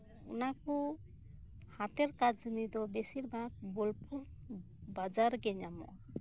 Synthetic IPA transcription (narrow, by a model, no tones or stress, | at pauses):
ɔnakɔ | hat̪ɛɾkad͡ʒnid̪ɔbesiɾbʱaɡ̚bolpuɾ | bad͡ʒaɾɡɛɲamɔ̰ʔa